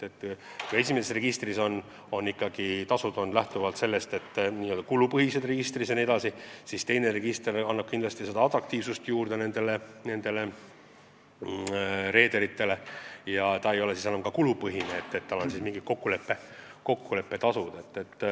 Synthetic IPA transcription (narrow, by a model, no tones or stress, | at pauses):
et̪ː | kue̞s̬ʲimesesre̞ɡ̥ist̪riso̞nː | o̞nːikːˑɑɡ̥it̪ɑsud̪ond̪læht̪uvɑlt̪se̞lːest̪e̞t̪ːniːøld̪̥ɑkulupɤɦise̞d̪re̞ɡ̥ist̪risɑnie̞d̪ɑsisiːst̪e̞jne̞re̞ɡ̥ist̪rɑnːɑb̥̚kind̪lɑst̪ise̞d̪ɑɑt̪ˑrɑk̚t̪iːvsust̪juːrd̪e̞ne̞nd̪̥e̞le̞ne̞nd̪̥e̞le̞ | ɾe̞ːd̪eɾit̪ːe̞le̞jɑt̪ɑe̞jo̞lesisænːɑmkɑkulupɤɦineːt̪ːet̪ːɑlːo̞nsiːsmiŋɡit̪̚ko̞kːule̞pːe | ko̞kːule̞pːe̞t̪ɑsud̪̥e̞t̪ːe̞t̪ː